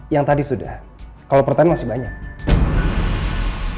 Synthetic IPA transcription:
jaŋt̪adisuda̰h | kalawpərt̪anmasɪhbaɲak̚

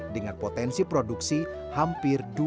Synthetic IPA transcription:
dəŋanpot̪ɛnsipɾoduksi | hampɪrdu

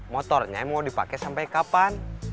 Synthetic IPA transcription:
mɔt̪ɔrɲa̰mɔdipa̰kɛsampajkapan

